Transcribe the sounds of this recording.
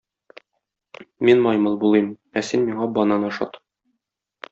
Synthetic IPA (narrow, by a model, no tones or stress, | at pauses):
minmɒjmɤlˠbulˠɤm | æsinmiɴɑbɒnɑnɒʃɑ̰t̪